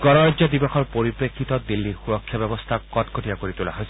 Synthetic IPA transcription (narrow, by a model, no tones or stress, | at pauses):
ɡɔnɔɹazɔd̪ibɔxɔɹpoɹipɹekʰːit̪ɔd̪ilːixuɹɔkʰːjabɛbɔst̪ʰakːɔtkʰotijakoɹit̪ula̰ɦojs